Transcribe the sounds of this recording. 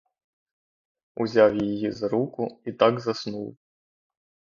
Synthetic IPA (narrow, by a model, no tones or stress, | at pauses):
ṵzʲawjijizɾukuit̪aɡzasnuw